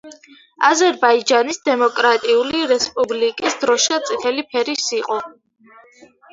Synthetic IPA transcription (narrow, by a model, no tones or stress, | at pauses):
azɛɾbaid͡ʒanisd̪ɛmɔkʼɾat̪ʼiuliɾɛspʼublikʼisd̪ɾɔʃat̪sʼit̪ʰɛlipʰɛɾisiqʼɔ